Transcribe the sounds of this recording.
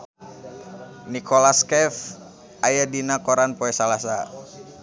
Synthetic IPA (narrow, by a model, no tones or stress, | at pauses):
nikʰolaskɛf | ʔajadinakɔɾanpoɛsalasa